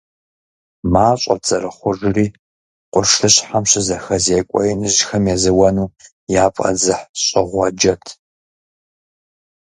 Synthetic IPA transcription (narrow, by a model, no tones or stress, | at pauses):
maːɕʷʼɐ̰rt͡sʼɐrɨχʷʊʒɪriː | qʷʼʊrʂɬʰɨɕħamɕɪzɐxɐzeːkʷʼɔ̰jɪnɨʑxɐmjɛzɨwɐnuː | jaːpʼɐ̰zɨħɕʼɪʁʷɐd͡ʒɐtʰ